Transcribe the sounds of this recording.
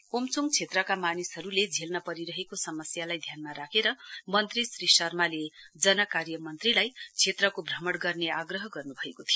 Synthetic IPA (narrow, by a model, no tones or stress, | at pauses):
omt͡suŋɡt͡sʰet̪rʌkamanisɦʌɾuled͡zʱelnʌpʌɾiɾʌɦekosʌmʌsjalajd̪ʱjanmaɾakʰeɾʌmʌnt̪risrisʌrmaled͡zʌnʌkarjʌmʌnt̪rilajt͡sʰet̪rʌkobʱrʌmʌɽɡʌrneaɡrʌɦʌɡʌrnubʱʌekot̪ʰijo